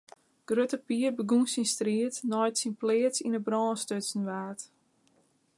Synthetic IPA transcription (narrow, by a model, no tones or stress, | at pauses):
ɡ̥røtəpiərbəɡunsinstriətnɔjtsinplɪətsinəbrɔːnstøtsnʋaːt